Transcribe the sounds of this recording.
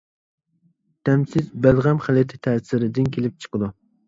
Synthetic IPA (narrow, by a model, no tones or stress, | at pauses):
t̪ʰæmsɪzbælˠʁamχælˠɪt̪ʰɪ̥t̪ʰæːsɪɾɪd̪ɪnkʲʰelɪp̚t͡ʃʰɨ̥qɨd̪ʊ